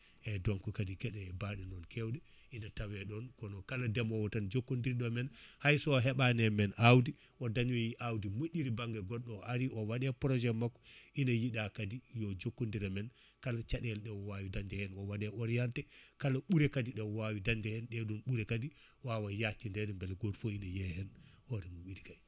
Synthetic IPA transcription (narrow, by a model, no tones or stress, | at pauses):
ʔɛdɔnkukadikɛɗɛbaɗɛnɔnkʰɛwɗɛ | ʔinatawɛɗɔnkɔnɔkaladɛmɔwatand͡ʒokːondiɾɗɔmɛnhajsɔɦɛɓanɛmɛnʔawdi | ʔɔdaɲɔjiʔawdimoʔʲːiɾibaŋɡɛɡɔɗːɔʔaɾiʔɔwaɗɛpɾɔd͡ʒɛmakːɔ̥inajiɗakadijɔd͡ʒokːondiɾɛmɛn | kalat͡ʃaɗɛlɗɛwɔwawidand͡ʒɛhɛnɔwaɗɛʔɔɾjaltɛkalaɓuɾɛkadiɗɛwɔwawidandɛhɛnɗɛɗunɓuɾɛkadi | wawajatindɛdɛmbɛlɡodfoinajɛhɛnhɔɾɛmuɓiɾika